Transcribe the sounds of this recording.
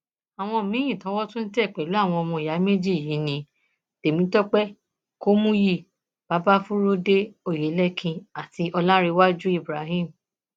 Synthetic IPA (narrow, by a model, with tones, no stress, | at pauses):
a˨w̃ɔ̃˧˨mĩ˨˦jĩ˦˨tã˨˦wɔ˦tũ˦n̩˦tɛ˦˨k͡pɛ˨lu˨˦a˦˨w̃ɔ̃˧ɔ˧mɔ̃˧˨ja˨˦me˦d͡ʒi˦˨ji˨˦nĩ˧ | d̥e˨mĩ˨˦tɔ˦k͡pɛ˦ | ko˦mũ˦ji˦˨ | b̥a˨˦ba˦fũ˦ɾo˦de˦o˨je˨˦lɛ˦kʰĩ˧a˨ti˧ʔɔ˧lã˦ɾe˧wa˦d͡ʒu˦i˦˨bɾa˨˦ɦĩ˦˨m̩